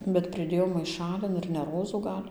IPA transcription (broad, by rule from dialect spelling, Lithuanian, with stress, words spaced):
bʲɛt pʲrʲɪˈdʲeːjɛʊ mɐɪˈʃɑːlʲɪn ɪr nʲɛ ˈroːzuː ˈɡɐlʲ